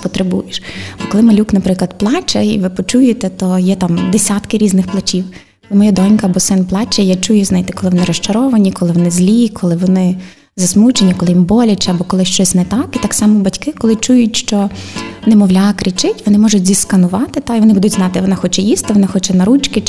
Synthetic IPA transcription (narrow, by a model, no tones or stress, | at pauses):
pɔt̪ɾebṵjɪʃbɐkɔlˠɪmɐlʲuknɐpɾɪklˠɐd̪plˠɑt͡ʃɐiʋɪpɔt͡ʃujet̪ɛt̪ɔjɛt̪ɑmd̪esʲat̪kɪɾʲiznɪxplˠɐt͡ʃiw | lɪmɔjad̪ɔnʲkɐbɔsɪnplˠɑt͡ʃɐjat͡ʃujʊznajt̪ɛkɔlˠɪʋɔnɪɾɔʃt͡ʃɐɾɔʋɐnʲikɔlˠɪʋɔnɪzʲlʲikʰɔlˠɪʋɔnɪ | zɐsmut͡ʃenʲikɔlˠɪjimbɔlʲɐt͡ʃɪɐbɔkɔlˠɪʃt͡ʃɔsʲnɛt̪ɑkit̪ɑksɑmɔbɐtʲkɪkɔlˠɪt͡ʃujʊtʲʃt͡ʃɔnɛmɔʋlʲakɾɪt͡ʃɪtʲʋɔnɪmɔʒʊtʲzʲiskɐnʊʋɑt̪ɪt̪ɑiʋɔnɪbud̪ʊdʲznɑt̪ɪʋɔnaxɔt͡ʃɛjist̪ɪʋɔnɪxɔt͡ʃɛnɐɾut͡ʃkɪ